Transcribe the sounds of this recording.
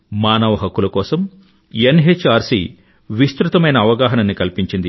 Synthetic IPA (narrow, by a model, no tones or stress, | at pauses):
maːnɐʋɐɦɐkːulɐkɔːsɐm | enɦet͡ʃːaːɾsḭ | ʋist̪ɾut̪ɐmɐjnɐːʋɐɡaːɦɐnɐnːikɐlpiɲt͡ʃind̪i